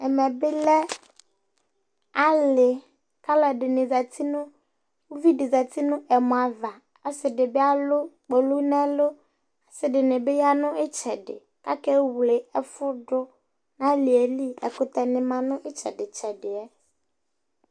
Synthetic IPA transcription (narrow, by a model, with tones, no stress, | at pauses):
ɛ˨mɛ̃˨bɪ˦lɛ˦ | a˦lɪ˨ | ka˦lɛ˨ɖɪ˨nɪ̃˨za˨t̪ʰi˦nʊ̃˦ | wu˦vi˦dɪ˨za˨t̪i˦nʊ̃˦ɛ˨mɔ̃˨a˨va˨ | a˦sɪ˨dɪ˨bɪ˦a˦lʊ˦k͡po˨lu˦nɛ̃˦lʊ˦ | a˨sɪ˦ɖɪ˨nɪ̃˨bɪ˦ja˦nʊ̃˦ɪ˦t͡ʃɛ˨ɖɪ̰˨ | ka˦kɛ˦wle˨ɛ˦fʊ˦ɖʊ˦ | nã˦li˨e˨li˦ɛ˨kʊ˦t̪ɛ˨nɪ̃˨mã˨nʊ̃˦ʔɪ˦t͡ʃɛ̰˨ɖɪ˨t͡ʃɛ˨ɖɪ˨ɛ˦